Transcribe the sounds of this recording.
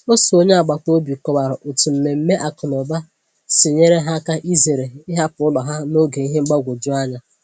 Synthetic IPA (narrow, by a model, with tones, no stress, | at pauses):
o˦so˨o˦ɲe˦a˨ɡ͡ba˨ko˦bi˨kɔ˨ba˨ɾʊ˨ʔʊ˨tu˨m̩˨me˨m̩˦me˦ʔa˨kʊ˨nɔ˨ba˦ | sɪ˨ɲe˦ɾe˦ɦa˦ka˦ʔi˦ze˨ɾe˨i˦ɦa˦pʊ˨˦ʊ˦lɔ˨ɦa˦no˦ɡe˨i˦ɦe˦ŋ͡m̩˦ɡ͡ba˦ɡʷo˨d͡ʒu˦a˦ɲa˦